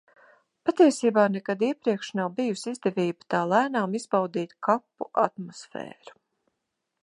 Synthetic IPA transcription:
pat̪iɛsiːbaːnɛkad̪iɛpɾiɛkʃnawbijusizd̪ɛviːbə̥t̪aːlˠæːnaːmiz̥bawd̪iːt̪kʰapːṵʔat̪mɔsfɛ̰ːɾu̥

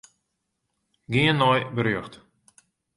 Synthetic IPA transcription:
ɡiənːɔjbəɾøːχt̪

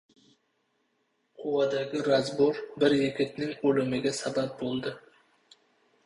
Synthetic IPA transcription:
qʰʊwɑd̪aɡʲɪɾazboɾbɪɾjɪkʲʰɪt̪nɪŋɵlɪmɪɡʲasabap̚bolˠd̪ɪ

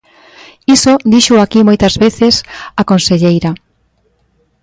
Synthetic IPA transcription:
isod̪iʃʊakimojt̪azβeθesakonseʎejɾa

